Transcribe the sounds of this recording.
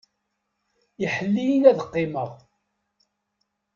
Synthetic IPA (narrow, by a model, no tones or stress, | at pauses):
iħəlːijinæðəqːɪməʁ